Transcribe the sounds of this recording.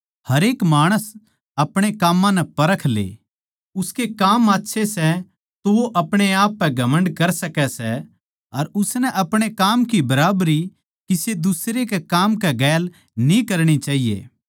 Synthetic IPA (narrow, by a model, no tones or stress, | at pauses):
hɐɾeːkmaːɽ̃əs | ɐpɽ̃ekaːmːãnɛpɐɾəkʰlḛː | ʊskekaːmaːtːʃʰesɛ | t̪oʋoʔɐpɽ̃eaːpːɛɡʱɐmə̃ɳɖkɐɾsɐkɛsɛ | ɐɾʊsnɛʔɐpɽ̃ekaːmkibɐɾaːbɾi | kised̪ʊsɾekekaːmkɛɡɛːl | nĩkɐɾɽ̃it͡ʃaːɦijḛː